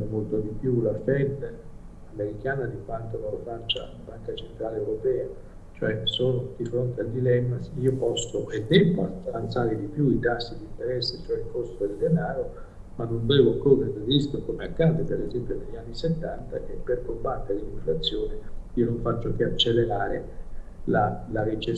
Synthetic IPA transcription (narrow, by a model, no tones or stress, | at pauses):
molt̪od̪ipjulafɛd̪ː | ameɾikaːnad̪ikwant̪onolofat͡ʃːa̰abaŋkat͡ʃent̪ɾaːleewɾopɛːa | t͡ʃoɛsoːnod̪ifɾont̪eald̪ilɛmːasiːopɔst̪oʔed̪ːɛba̰t̪avant̪saːɾɪd̪ipjuit̪asːid̪int̪eɾɛsːet͡ʃoɛilkost̪od̪eld̪enaːɾo | manːonvɛːvokoned̪erisk̪okomeakːaːd̪epeɾezɛmpjoneʎːanːiset̪ːant̪a̰ʔɛpːerkubant̪eɾiiɱflat̪sːjoːnɪiːonoɱfat͡ʃːokeat͡ʃːeleɾaːɾe | lalaɾit͡ʃe